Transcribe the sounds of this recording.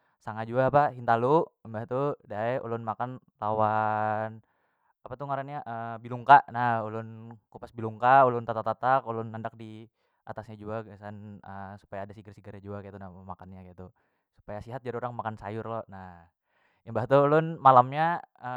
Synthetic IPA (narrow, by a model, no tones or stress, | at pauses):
saŋad͡ʒuaːpaɦint̪aluʔəmbaht̪udaɛṵlʊnmakan | lawan | apat̪uŋaɾanɲaʔəbiluŋkaʔnahulʊnkupasbiluŋkaulʊnt̪at̪ak̚t̪at̪akulʊnːandak̚di | ʔat̪asɲad͡ʒuaɡasanəsu̥pajaːdasiɡərsiɡəɾad͡ʒuakait̪unahmakanɲakait̪u | su̥pajasiɦat̪̚d͡ʒadioɾaŋmakansa̰jʊrlɔnah | əmbaɦt̪uulʊnmalamɲaə